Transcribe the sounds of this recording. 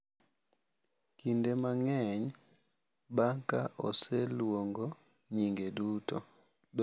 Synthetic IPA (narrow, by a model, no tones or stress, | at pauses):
kindemaŋɛɲ | baŋkaʔɔ̰selwoŋɡo | ɲiŋɡeduto | d